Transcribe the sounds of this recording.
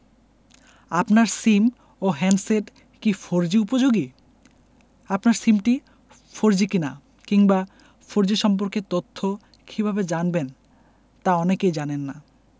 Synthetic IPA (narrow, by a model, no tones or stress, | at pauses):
apnaɾsim | oɦɛnseʈ | kifʰoɾd͡ʑiupod͡ʑoɡi | apnaɾsimʈi | foɾd͡ʑikina | kiŋba | fʰoɾd͡ʑiʃɔmp̬oɾket̪ot̪ʰːo | kʰibʱabed͡ʑanben | t̪aɔnekejd͡ʑanenːa